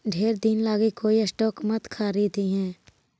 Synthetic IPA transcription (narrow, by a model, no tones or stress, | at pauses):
ɖʱeːɾd̪inlaːɡikoːiəsʈɔːkmət̪kʰaːɾid̪iɦɛ̃ː